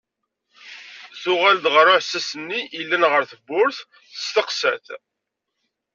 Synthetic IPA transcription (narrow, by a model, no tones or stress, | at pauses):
θʊʁæld̪ʁəɾˤʊħsæsənːiilːænʁəɾθəbːʊɾθ | ə̥st̪əqsæθ